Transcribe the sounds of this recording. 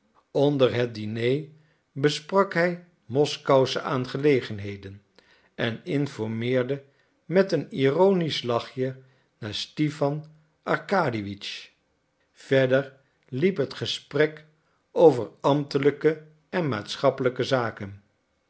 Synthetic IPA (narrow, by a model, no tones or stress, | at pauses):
ɔndəɹɦət̚dinej | bəsprɑkɦɛj | mɔskɑwsəʔaːnχəlejχənɦejdən | ɛnɪnfɔɹmɪːɹdə | mɛtənirownislɑχjə | naːɹstifɑn | ʔɑɹkaːdiʋit͡ʃ | vɛɹdəɹ | lipɦətχəsprɛk | ʔowvəɹɑmtələkə | ɛnma̰ːtsχɑpələkəzaːkən